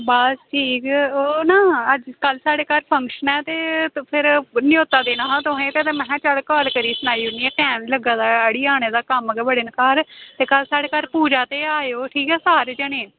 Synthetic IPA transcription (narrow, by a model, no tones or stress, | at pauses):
basʈʰiːkoːnaːəd͡ʒkəlsaːɽeːkaːɾpʰəŋkʃənɛːt̪eːpʰɪɾnɪjoːt̪aːd̪eːnãːɦãːt̪ʊɦẽːt̪eːt̪eːmɛ̃ːt͡ʃəlkɔːlkəɾiːsʊnaːiːʊniːɛːkɛ̃ːnləɡãːd̪aːəɽiːaːɽ̃eːd̪aːkəməɡeːbəɽenkaːɾt̪eːkəlsaːɽeːkaːɾpuːd͡ʒaːt̪eːaːjoːʈʰiːkɛːsaːɾd͡ʒənẽː